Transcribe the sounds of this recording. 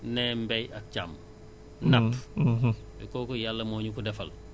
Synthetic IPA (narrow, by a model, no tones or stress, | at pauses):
nɛmbɛjɐk̚t͡ʃam | nɐpː | ɛkoːkɔjalːɐmoːɲukudɛfɐ̰l